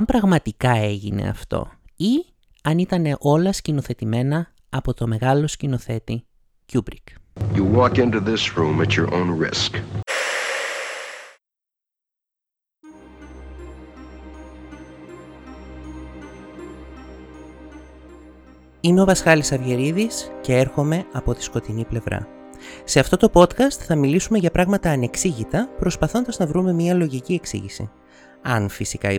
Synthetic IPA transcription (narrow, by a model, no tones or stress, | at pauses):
ɐmbɾɐɣmɐt̪ikɐe̞ʝine̞̰ɐ̰ft̪o̞̰i | ɐnit̪ɐne̞ʔo̞lɐscino̞θe̞t̪ime̞nɐː | po̞t̪o̞me̞ɣɐlo̞scino̞θe̞t̪i | cubɾikjəwɔkɪ̃ntuðɪsɹũmɨt͡ʃə˞ʔõ̰ʊ̃nɹɪ̰sk | imeo̞vɐsxɐlisɐvʝe̞ɾiðisce̞eɾxo̞me̞ɐpo̞t̪i̥sko̞t̪iniple̞vɾɐ̰ | se̞ɐft̪o̞t̪o̞po̞t̪kɐst̪θɐmilisume̞ʝɐpɾɐɣmɐt̪ɐːne̞ksiʝit̪ɐpɾo̞spɐθo̞nd̪ɐznɐvɾume̞miɐlo̞ʝicie̞ksḭʝisḭ | ɐnfisikɐ̰i